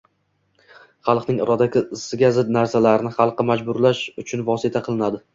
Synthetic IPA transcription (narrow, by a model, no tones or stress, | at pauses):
χɑlˠqnɪŋɪɾɒd̪akʲʰɪɪsːɪɡʲazɪd̪̚naɾsalaɾɪnɪχɑlˠqɨmad͡ʒbʊɾlaʃʊt͡ʃʰʊnvɒsɪt̪ʰaqʰɨlˠɪnad̪ɪ